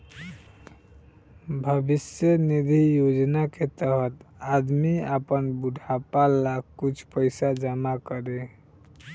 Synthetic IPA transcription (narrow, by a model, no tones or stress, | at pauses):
bʱəbisjənid̪ʱijod͡ʒnaket̪əɦət̪ad̪miapənbuɖʱapalaɡkut͡ʃʰpəjsad͡ʒəmakəɾe